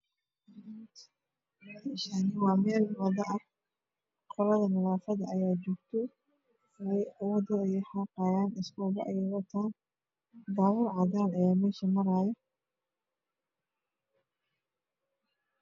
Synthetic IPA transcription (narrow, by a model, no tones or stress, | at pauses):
ɪʃaːnɪwɑːmɛːlwɑðɐʔɐ | qʰɔlɐðɐmɪlaːfɐðɐʔːjaːt͡ʃɔːɡt̪ʰɔ | ɛjʔɐwɔdɔijɔħɑqɑːjaːnɪskɔːbɐ̰ʔɐjɛwɐt̪ʰaː | d̪aːwʊːrʕɑðaːnɐjaːmɛːʃɐmɐɾaːjɐ